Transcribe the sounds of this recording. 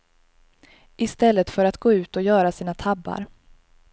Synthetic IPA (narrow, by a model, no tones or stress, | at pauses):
ʔɪst̪ɛlːət̪fœɾat̪ɡoːʉ̟ːt̪ɔjœːɾasiːnat̪ʰabːa̰ɾ